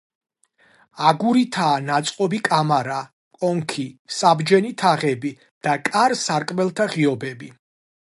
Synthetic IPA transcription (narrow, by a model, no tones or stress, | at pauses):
aɡuɾit̪ʰaːnat̪sʼqʼɔbikʼamaɾa | kʼɔŋkʰisabd͡ʒɛnit̪ʰaʁɛbi | d̪̥akʼaɾsaɾkʼmɛlˠt̪ʰaʁiɔbɛbi